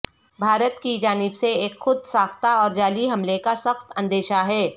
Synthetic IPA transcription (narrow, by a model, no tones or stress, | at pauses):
bʱaːɾət̪kid͡ʒaːnɪbseeːkxʊd̪̚saːxt̪aɔːɾd͡ʒaːliɦɐmlekasɐxt̪ɐ̃nd̪eːʃaɦɛː